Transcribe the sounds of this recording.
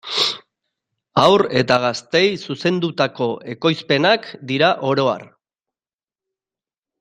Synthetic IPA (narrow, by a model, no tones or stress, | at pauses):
awɾe̞t̪aɣ̞ast̪e̞jsuse̞nd̪ut̪ako̞ʔe̞ko̞jspe̞nakd̪iɾaʔo̞ɾo̞a̰r